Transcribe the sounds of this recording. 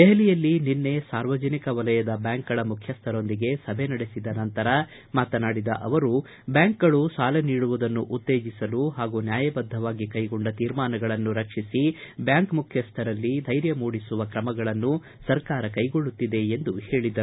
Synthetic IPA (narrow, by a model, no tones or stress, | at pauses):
d̪ɛɦɐlijɐlːininːe̞saːɾʋɐd͡ʒɐnikɐʋɐlɐjɐd̪ɐbjaːŋkɐɭɐmukʰjɐst̪ʰɐɾo̞nd̪iɡe̞sɐbʱenɐɽesid̪ɐnɐnt̪ɐɾɐ | maːt̪ɐnaːɽid̪ɐ̰ʔɐʋɐɾu | bjaːŋkɐɭusaːlɐniːɽuʋud̪ɐnːuʔut̪ːe̞ːd͡ʒisɐluɦaːɡunjaːjɐbɐd̪ʱːɐʋaːɡikɐjɡoɳɖɐt̪iːɾmaːnɐɡɐɭɐnːuɾɐkʂisibjaːŋkmukʰjɐst̪ʰɐɾɐlːid̪ʱɐjɾjɐmuːɽisuʋɐkɾɐmɐɡɐɭɐnːu | sɐɾkaːɾɐkɐjɡo̞ɭːut̪ːid̪e̞ːnd̪uhe̞ːɭid̪ɐɾu